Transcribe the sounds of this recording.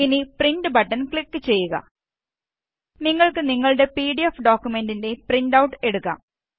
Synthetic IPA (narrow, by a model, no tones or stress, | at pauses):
inipriɳɖɨbɐʈːɐnkɭikːɨt͡ɕe̞jːuɣɐ̰ | niŋːɐɭkɨniŋːɐɭɨɽe̞piːɽiefɖoːkʲːjume̞ndinde̞prinɖɐwʈːɨeɽukːa̰ːm